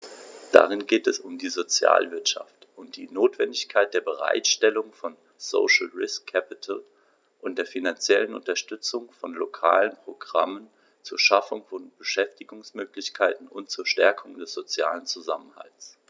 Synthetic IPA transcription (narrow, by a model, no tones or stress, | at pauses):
d̥a̰ʁɪnɡeːtɛsʊmdiːzot͡sja̰ːlvɪɐtʃa̰ftʔʊnt̚d̥iːnoːtv̥ɛndɪçkʰaɪt̚d̥eːɐbəʁ̞a̰ɪtʃtɛlʊŋfɔn | zo̰ʃl̩ʁɪskʰːɛpɪtʰl | ʔʊnt̚d̥eːɐfinant͡sjɛlənʊ̰ntɐʃtʏt͡sʊŋfɔnlokʰa̰ːlənpʁ̥oɡʁa̰mən | t͡suːɐʃafʊŋfɔnb̥əʃɛftɪɡʊŋsmøːklɪçkʰaɪtn̩ʊ̰nt̚t͡suːɐʃtɛɐkʰʊŋdɛsz̥ot͡sja̰ːlənt͡suzamənha̰ls